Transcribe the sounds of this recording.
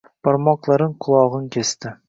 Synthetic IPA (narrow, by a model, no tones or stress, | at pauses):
pʰɒɾmɒqlˠaɾɪɴqʰʊlˠɒʁɨnkʲʰest̪ɪ